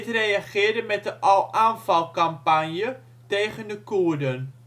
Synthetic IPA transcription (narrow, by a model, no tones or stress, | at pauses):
trejaχɪːɹdəmɛt̚əʔɑlˠʔaːnfɑlˠkampanjə | tejχəndəkudən